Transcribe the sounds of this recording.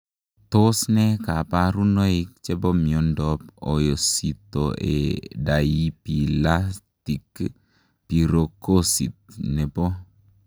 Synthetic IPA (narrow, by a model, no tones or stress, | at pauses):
t̪osnɛkapaɾunoik̚t͡ʃɛbɔmiɔndɔp̚ojosit̪oʔɛ̰daipilastik | piɾokosit̪̚nɛbo